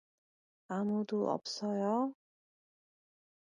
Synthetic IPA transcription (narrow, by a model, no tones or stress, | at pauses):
amud̪uɔ̰psɔjɔ